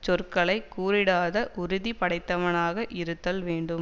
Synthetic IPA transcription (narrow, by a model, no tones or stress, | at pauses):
t͡ʃɔrkɐɭɐɪkːuːɾɪɽaːðɐʔʊɾʊðipɐɽɐɪt̪ːɐʋɐnaːɣɐʔɪɾɯt̪ːɐlʋeːɳɖɯm